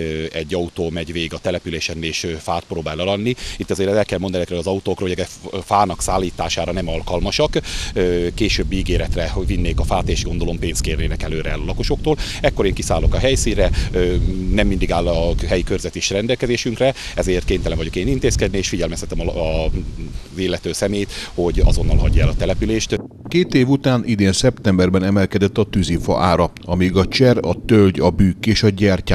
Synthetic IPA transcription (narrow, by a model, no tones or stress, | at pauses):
ɛɟːɒut̪oːmɛɟveːɡɒt̪ɛlɛpyleːʃɛneːʃøfaːt̪̚proːbaːlɒlɒnːiit̪ːɒzeːɾɛlkɛlmond̪ɒnɛzɛkɾøːlɒzɒut̪oːkrɒɦoɛɡɛ | faːnɒksaːlːiːt̪aːʃaːɾɒnɛmɒlkɒlmɒʃɒkøkeːʃøːbːiɡeːɾɛt̪rɛvinːeːkɒfaːt̪eːʃɡo̞nd̪o̞lo̞mpeːns̚keːrneːnɛkɛløːɾɛːlɒlɒko̞ʃo̞kt̪oːl | ɛkːo̞ɾeːŋkisaːlo̞kɒɦɛjsiːnrɛønɛmːind̪iɡaːlːɒɦɛjikørzɛt̪iʃrɛnd̪ɛlkɛzeːʃyŋkrɛ | ɛzeːrt̪keːnt̪ɛlɛɱvɒɟo̞keːnint̪eːskɛd̪nieːʃfiɟɛlmɛst̪ɛt̪ɛm | zeːlːɛt̪øːsɛmeːjt̪ho̞ɟɒ̰zo̞nːɒlɦɒɟːɛlɒt̪ɛlɛpyleːʃt̪ | keːt̪eːvut̪aːnʔid̪eːnsɛpt̪ɛmbɛrbɛnɛmɛlkɛd̪ɛt̪ːɒt̪yzifɒ̰ʔaːɾɒ | ɒmiɡɒt͡ʃɛrɒt̪ølɟɒbyːkːeːʃɒɟɛrcaː